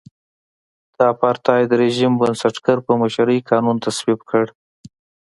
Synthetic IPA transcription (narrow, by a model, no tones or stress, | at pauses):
d̪̥ɑpɑɾt̪ɑjd̪əɾeʒimbənsaʈɡaɾpəmaʃaɾəjkʰɑnunt̪aswibkʰəɽ